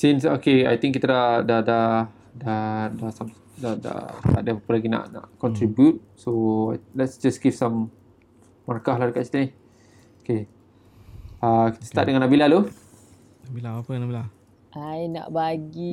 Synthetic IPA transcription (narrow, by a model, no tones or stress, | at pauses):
sĩnsokeajt̪ĩŋk̬ːit̪adaʔdada | dadasam | dada̰t̪a̰ʔdəpapəlaɡina̰ʔna̰ʔkɔ̃nt̪ɾibjut̚ | soalɛtsd͡ʒasɡivsãmː | aɾakahlahdəkat̚si̥t̪əni | oke | akit̪ə̥st̪aʔ̚dəŋãnːabilahlo | nabilaapənabila | ʔajna̰ʔbaɡi